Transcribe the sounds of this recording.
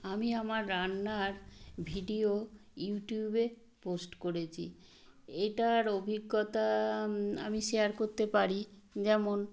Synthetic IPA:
amiamaɾːanːaɾbʱiɖio | juʈjube | posʈkoɾet͡ɕʰḭ | eʈaɾobʱiɡːot̪a | a̰miʃeaɾkoɾt̪epaɾi | d͡ʑɛmon

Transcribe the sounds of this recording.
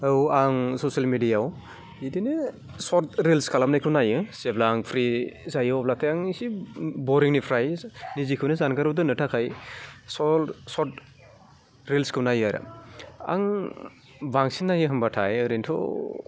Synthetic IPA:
ɯwaŋsɔsialmidijaw | idinɯ | sɔɾt̚ɾilskʰalamnajkʰɯwnajɯseblaŋpʰɾizajɯwɔblatʰajaŋsibɔɾiŋnipʰɾajnizikʰɯwnɯzankʰaɾɯwdɯnɯtʰakʰajsɔlsɔt̚ | ɾilskʰɯwnajaɾa̰a̰ŋ | baŋsinːajɯɦɯmbatʰa̰jɯɾentʰɔ̰

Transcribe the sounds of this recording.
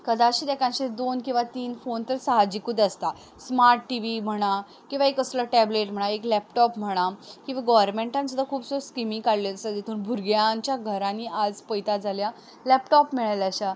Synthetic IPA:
kəd̪aɕiːd̪ɛkʰãt͡ɕed̪onkĩw̃ʋat̪iːnfont̪əɾsaɦad͡ʑikud̪əst̪a | smaɾʈʈiʋim̤əɽ̃a | kĩw̃ʋaekəsləʈɛbleʈm̤əɽ̃aeklɛpʈɔpm̤əɽ̃akĩw̃ʋaɡɔʋəɾmeɳʈãnsud̪akʰuːbsəɾoskɾimĩŋkaɽleəsəd̪jet̪ʰuːnbʱuɾɡjãɲt͡ɕjaɡʱəɾãniad͡zpəjt̪ad͡zʱalja | lɛpʈɔpmiɭaləɕa

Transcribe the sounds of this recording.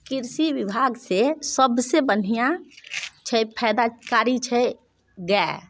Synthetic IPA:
kɪɾsiwibʱaɡsesəbsebən̤ija | t͡ʃʰəpʰɛd̪akaːɾit͡ʃʰɛ | ɡɛ

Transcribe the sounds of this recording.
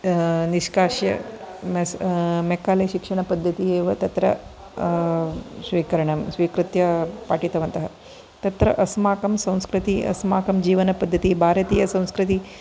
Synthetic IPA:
niʃkaːʃjɐ̰mɐsmɛkaːleʃikʂɐɳ̃ɐpɐd̪ʱːɐt̪ieːʋɐt̪ɐt̪ɾɐ̰ | sʋiːkɐɾɐɳɐmsʋiːkɾɨt̪jɐpaːʈit̪ɐʋɐnt̪ɐɦɐ | t̪ɐt̪ɾɐ̰ʔɐsmaːkɐmsɐ̃w̃skɾɨt̪iʔɐ̰smaːkɐmd͡ʒiːʋɐnɐpɐd̪ʱːɐt̪iːbʱaːɾɐt̪iːjɐsɐ̃w̃skɾit̪i

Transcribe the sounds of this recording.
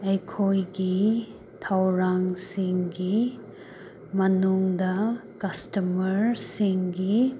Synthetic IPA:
ɐjkʰojɡi | tʰawɾaŋsiŋɡi | mɐnuŋdɐkɐstɐmɐɾsiŋɡi

